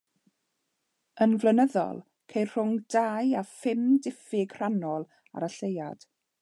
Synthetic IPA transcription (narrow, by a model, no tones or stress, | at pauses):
ənvlˠənəðɔ̰lˠ | kʰejrr̥ʊŋdajafɪmdɪfɪɡr̥anɔlˠ | a̰ɾaɬejad̥